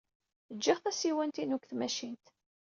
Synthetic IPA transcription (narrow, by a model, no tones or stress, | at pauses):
əd͡ʒːiʁθæsiwænt̪inukθmæʃint̪